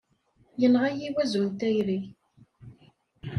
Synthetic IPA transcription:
jənʁajiwæzunt̪æjɾi

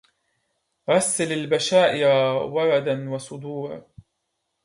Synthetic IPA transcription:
ɾɑsːalalbaʃaːʔɪɾawɑɾˤɑd̪anwɑsˤʊd̪uːɾ

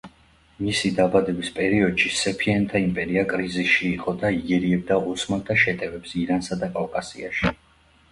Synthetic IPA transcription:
misid̪abad̪ɛbispʼɛɾiɔd̪̥ʃisɛpʰianɛt̪ʰaimpʼɛɾiakʼɾizisʃiːqʼɔd̪aiɡɛɾiɛb̚d̪ausmat̪ʰaʃɛt̪ʼɛvɛpsiɾansad̪akʼalkʼasiaʃi

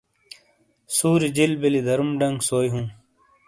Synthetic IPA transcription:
suːɾid͡ʑilbilid̪ɐɾumɖɐ̃ŋɡsoːjɦũː

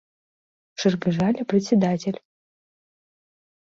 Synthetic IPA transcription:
ʂɨrɡɨʐalʲɐprɛtt͡sʲɛd̪atʰʲelʲ

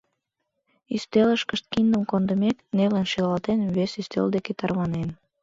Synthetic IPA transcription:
yst̪eləʃkə̆ʃt̪̚kind̪əmkond̪ə̆mekneβlænʃilɑlt̪enβesyst̪ḛld̪eket̪ɑrβɑnen

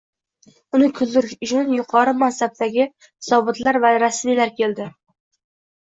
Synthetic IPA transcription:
ʊnɪkʲʰʊzːɪɾɪʃʊt͡ʃʰʊnjʊqʰɑɾɨmasab̚t̪aɡʲɪ | sɒbɨt̪laɾvaɾasmijlaɾkʲeld̪ɪ

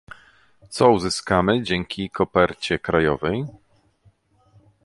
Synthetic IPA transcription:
t̪sɔuzɘskamɘd͡ʑɛŋkʲikʰɔpɛɾt͡ɕɛkɾajɔvɛj

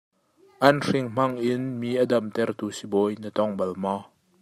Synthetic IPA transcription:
ʔɐnr̥ɪŋm̥ɐŋʔɪnmiːʔɐdɐmt̪ɛrt̪usibɔjnət̪ɔŋbɐlma

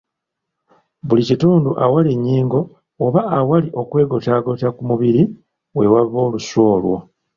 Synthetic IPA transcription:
βulicituːnduʔawaliɲːiːŋɡo̞ː | βaːwaliʔo̞kwe̞ːɡotaɡotakumuβiɾi | we̞waβːo̞ːluso̞ːlwo̰

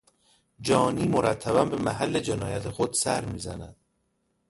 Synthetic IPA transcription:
d͡ʒɒːniːmoɾʔæt̪ʰːæbæmbemæɦælːed͡ʒenɒːjæt̪ʰexod̪̥sæ̰ɾmiːzæ̰næ̰d̪̥

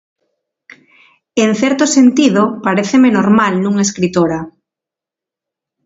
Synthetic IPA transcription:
enθɛɾt̪osent̪iðopaɾeθemenoɾmalnũŋeskɾit̪oɾa

